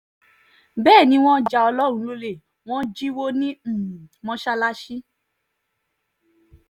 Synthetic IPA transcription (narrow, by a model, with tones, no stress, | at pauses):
bɛː˦˨nĩ˧˦w̃ɔ̃˦d͡ʒa˧ɔ˧lɔ˦ɾ̃ũ˨˧˦lo˧le˦˨ | w̃ɔ̃˦d͡ʒi˦wo˦nĩ˦m̩˨mɔ̃˧˦ʃa˧la˦ʃi˦